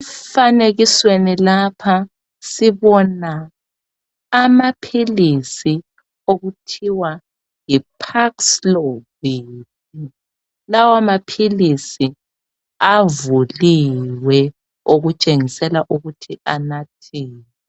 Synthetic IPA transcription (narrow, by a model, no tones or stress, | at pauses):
ɛfaneɣiswenilapʰa | siβɔna | mapʰilisi | oɣutʰiwa | jipʰakslɔβiːp | i | lawamapʰilisi | avuliwɛ | oɣut͡ʃʼeŋisɛlaʔuɣutʰianatʰeːnwɛ